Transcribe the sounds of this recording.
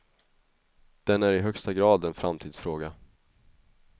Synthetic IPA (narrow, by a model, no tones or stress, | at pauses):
d̪̥ɛnæɾɪɦœkst̪aɡɾɑːd̪ɛnfɾamt̪ʰiːd̪sfɾoːɡa